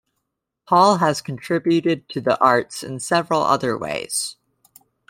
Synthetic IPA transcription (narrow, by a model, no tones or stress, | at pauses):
pʰɔlˠəz̥kʰn̩tʰɹ̥ɪbjʉɾɪd̚tʰɨðḭʔɑɹtsɨ̰̃nsɛvɹl̩ˠʌ̰ðə˞wḛɪz̥